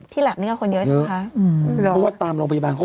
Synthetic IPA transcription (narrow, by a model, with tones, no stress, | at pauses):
t̪ʰiː˥˩lɛː˨˩niː˥˩kːko˧njjə˦˧˥kʰa˦˥ɯ˧˦ɔ˦˥waː˥˩t̪aː˧mɾoː˧ŋpʰja˧baː˧nkʰɔ˥˩